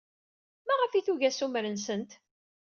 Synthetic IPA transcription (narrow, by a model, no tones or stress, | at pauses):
mæʁəfiθuʝæsumɾənsənt̪